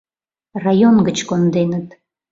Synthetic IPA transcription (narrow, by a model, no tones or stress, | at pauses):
rajonɡət͡ɕkond̪enət̪